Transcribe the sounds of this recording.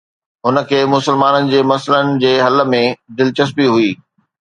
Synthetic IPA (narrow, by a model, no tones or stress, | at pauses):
ɦʊnə̆kʰeːmʊsəlmaːnənɪ̆d͡ʑeːmɐsələnɪ̆d͡ʑeːɦɐlə̆mẽd̪ɪlt͡ɕəspiɦuiː